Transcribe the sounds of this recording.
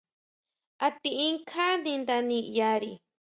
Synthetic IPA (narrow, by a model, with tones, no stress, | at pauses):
a˧t̪i˧i˦ŋkʰa˦nĩ˧nd̪a˧nĩ˧ja˧ɾi